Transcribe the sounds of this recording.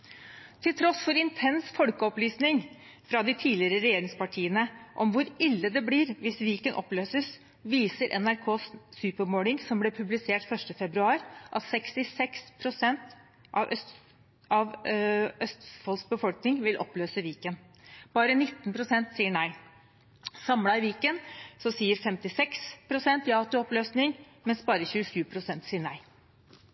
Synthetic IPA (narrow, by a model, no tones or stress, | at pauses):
t̪ʰɪlt̪ʰɾɔsfɔɾɪnt̪ʰɛnsfɔlkəɔplyːsnɪŋ | fɾɑd̪ɪt̪ʰiːlɪəɾəɾɛjeːɾɪŋspɑʈʰiːənəʔɔmʋʊɾɪlːəd̪ɛblɪːɾʋɪsʋiːkənʔɔ̰pløːsəs | ʋiːsəɾʔɛ̰næɾkʰoːsːʉːpəmoːlɪŋsɔmblɛpʰʉblɪseːʈfœʂʈəfɛbɾʉɑːɾʔɑt̪sɛkst̪ɪsɛkspʰɾʊsɛnt̪ | ʔɑʋʔœst̪ | ɑʋʔœst̪fɑlsbəfɔlknɪŋʋɪlʔɔ̰pløːsəʋiːkən | b̥ɑːɾənɪt̪ːənpʰɾʊsɛnt̪siːəɳæɪ | sɑmlɑɪʋiːkənsɔsiːəɾfɛmt̪ɪsɛkspʰɾʊsɛnt̪jɑːt̪ʉɔpløːsnɪŋ | mɛnsbɑːɾəçʉːəʂʉːpʰɾʊsɛnt̪siːəɳæɪ